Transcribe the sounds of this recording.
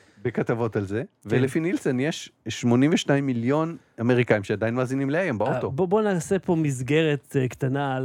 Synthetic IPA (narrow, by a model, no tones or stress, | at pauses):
bekat̪avo̞talzevelefinilsenjeʃʃmo̞nimveʃnaimːiljo̞n | ame̞ʁikaimʃead̪ainmaːzinimleajembaot̪obobonaːsepo̞mizɡe̞ʁet̪kt̪anal